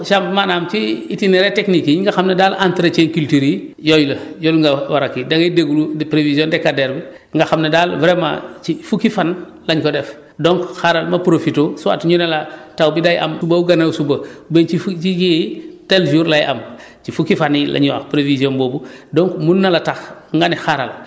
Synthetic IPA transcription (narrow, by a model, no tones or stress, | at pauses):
ʃambmanaːmt͡ʃiitineɾeteknikiŋɡaxamnɐdalantɾet͡ʃeŋkultiɾijɔjlɐjoluŋɡawaɾakːidɐɡɐideɡulupɾeviziondɛkːadeɾbi | ŋɡaxamnɐdalvɾema̰t͡ʃifukifan | laɲkɔdɛf | doŋkxaɾalmɐpɾofitoːsuwa̰tɲunalatawbidajʔa̰msubauɡanawsubɐbet͡ʃit͡ʃijitelʒuɾlaja̰m | t͡ʃifukifanilʔa̰ɲwa̰xpɾevizjonboːbudɔŋkmunːɐlataxŋɡanixaɾal